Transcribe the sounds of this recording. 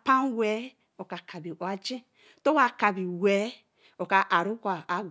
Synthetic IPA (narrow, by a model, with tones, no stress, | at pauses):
pa˦n˦we˦ | o˨ka˨kʰa˨bi˨ʔo˨a˦d͡ʒi˦ | to˦wa˨ka˨bi˨we˨˦ | o˨ka˨ʔa˨ɾu˦kʷa˨a˨ɡ